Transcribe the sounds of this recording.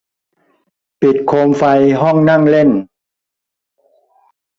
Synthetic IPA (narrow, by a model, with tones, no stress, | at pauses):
pi˨˩t̪̚kʰoː˧mfa˧jɦɔ˥˩ŋna˥˩ŋle˥˩n